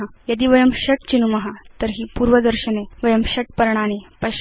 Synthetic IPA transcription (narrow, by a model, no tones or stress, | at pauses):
ajɐd̪iːʋɐjɐmɕɐʈ̚t͡ɕinumɐɦat̪əɾɦiːpuːɾʋɐd̪əɾɕɐneʋɐjɐmɕɐʈ̚pɐɾɳ̃anepɐ